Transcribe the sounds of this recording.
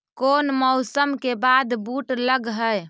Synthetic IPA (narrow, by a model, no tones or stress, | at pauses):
konmɔʊsəmkebad̪buʈləɡɦəj